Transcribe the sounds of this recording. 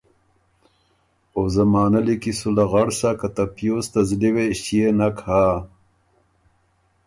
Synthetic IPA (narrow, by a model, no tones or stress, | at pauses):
ozamaːnalikisulaɣaɽsakat̪apjost̪azliweʃijenakha